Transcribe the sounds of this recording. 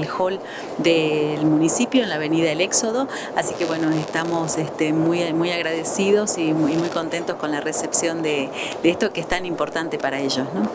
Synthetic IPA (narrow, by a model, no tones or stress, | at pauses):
lxo̞l | d̪elmunisipjoenlaβe̞niðaðele̞kso̞ðo̞ | asikeβwe̞no̞est̪amo̞sest̪emujmujaɣɾaðesiðo̞siimujko̞nt̪e̞nt̪osko̞nlarese̞psjo̞nd̪ed̪eest̪o̞keest̪animpo̞ɾt̪ant̪e̞paɾaeʒo̞sno̞